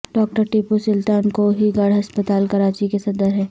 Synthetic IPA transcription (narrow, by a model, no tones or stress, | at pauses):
ɖɔːk̚ʈəɾʈipusʊlt̪aːnkoɦiɡɐɽɦɐspət̪aːlkɐɾaːt͡ʃikesɐd̪əɾɦɛː